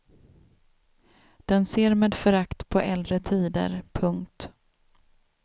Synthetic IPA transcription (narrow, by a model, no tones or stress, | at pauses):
d̪̥ɛnseːɾmeːd̪fœɾakt̪pʰɔʔɛld̪ɾət̪ʰiːd̪ə̰ɾpʰɵŋk̚t̪